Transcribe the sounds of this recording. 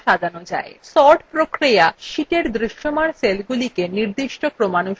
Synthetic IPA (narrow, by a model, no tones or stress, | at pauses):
ʃad̪ʱanod͡ʑa̰esɔʈpɾokɾijaʃiʈeɾd̪ɾiʃːomaɽselɡulikeniɾd̪iʃʈokɾomanuʃ